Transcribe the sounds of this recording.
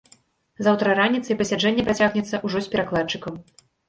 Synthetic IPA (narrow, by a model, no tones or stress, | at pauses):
zawt̪ɾɐɾanʲit̪sɐipɐsʲad͡ʐɛnʲːɛpɾat͡sʲaɣnʲɛt̪sːɐʔuʐɔsʲpʲɛɾaklˠat͡ʂɨkɐm